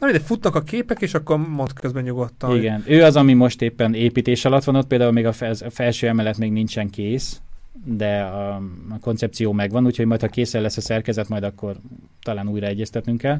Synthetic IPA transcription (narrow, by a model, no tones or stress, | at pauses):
noid̪ɛfut̪nɒkɒkeːpɛkeːʃɒkːo̞rmont̪kʰøzbɛɲuɡot̪ːɒiɡɛnøːɒzɒmimo̞ʃt̪eːpːɛneːpiːt̪eːʃɒlɒt̪ʋɒno̞t̪̚peːld̪aːulmeːɡɒfzfɛlʃøːɛmɛlɛt̪meːɡnint͡ʃɛŋkeːsd̪ɛɒko̞nt̪sɛp̚t̪sijoːmɛɡʋɒnuːcho̞ɟmɒjt̪hɒkeːsɛlɛsːɒsɛrkɛzɛt̪mɒjd̪ɒkːo̞r | t̪ɒlaːnuːjɾɒɛɟːɛst̪ɛt̪nyŋkɛl